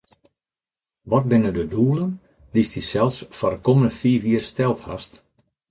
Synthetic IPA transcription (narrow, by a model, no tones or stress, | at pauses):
ʋɔt̚bɪnədəduːəlˠən | d̥istisɛlˠsfɔdəkoməndəfiːfjiərstɛlˠtha̰st